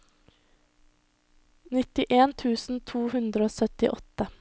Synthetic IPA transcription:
nɪt̪ɪʔeːnt̪ʰʉːsn̩t̪ʰuːhʉnd̪ɾəoːsœt̪ɪ̰ʔɔt̪ə

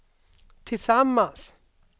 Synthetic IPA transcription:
t̪ʰisamːas

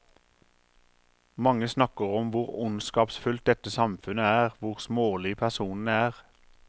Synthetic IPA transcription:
mɑŋəsnɑkəʁɔmʋʊʁʊnskɑːpsfʉlt̪̚d̪ɛt̪əsɑmfʉnəæːʁʋʊʁsmoːlɪpʰæʁsuːnn̩æːʁ

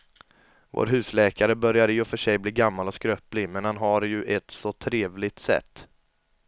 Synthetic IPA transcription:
vo̰ːɾɦʉ̟ːslɛːkaɾəbœɾjad̪əjɵfœʂɛjbliːɡamːalɔskɾœːplɪmɛnhanɦaɾjɵʔɛt̪sɔt̪ʰɾeːvlɪt̪sɛ̰t̪ː

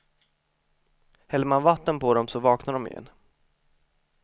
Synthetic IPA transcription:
hɛlːəmanvat̪ːənpʰɔd̪ɔmsɔvɑːknaɖ̪ɔmɪ̰jɛ̰nː

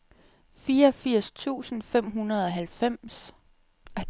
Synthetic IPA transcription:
fiːɐɒfiɐ̰st͡sʰṵːsn̩fem̰ɦunɐð̞ˠɒ̽ɦælfem̰s | æ

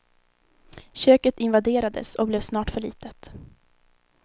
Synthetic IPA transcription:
ɕøːkət̪ɪnvad̪eːɾad̪ə̰sɔblɛːvsnɑːʈfœɭḭːt̪ət̪

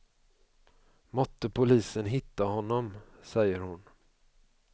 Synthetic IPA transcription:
mɔt̪ːəpʰʊliːsənɦɪt̪ːaɦɔnːɔmsɛjːəɾhʊn

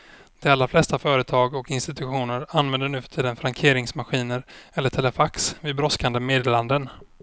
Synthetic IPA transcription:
d̪̥ɛalɾaflɛst̪afœːɾət̪ʰɑːɡɔkɪnst̪ɪt̪ɵɧuːnəɾanvɛnd̪ənʉ̟ːfœ̥ʈʰiːd̪ənfɾaŋkʰeːɾɪŋsmaɧiːnəɾɛlːəʈʰɛləfaksvɪbɾɔskand̪əmeːd̪eːland̪ən

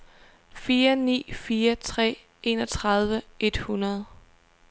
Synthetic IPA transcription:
fiːɐnḭːfiːɐt͡sʰʁɛ̰ː | e̝nɒ̽t͡sʰʁɑð̞ˠʋəe̝d̥hunɐð̞ˠ

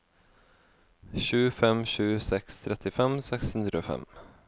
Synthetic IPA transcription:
ɕʉːfɛmɕʉːsɛkst̪ʰɾɛt̪ɪfɛmsɛkshɵnd̪ɾʉɔfɛ̰m

